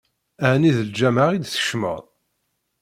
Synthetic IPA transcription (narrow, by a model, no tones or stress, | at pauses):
æʕniðəld͡ʒæmaʁid̪θə̥ʃmə̰ðˤ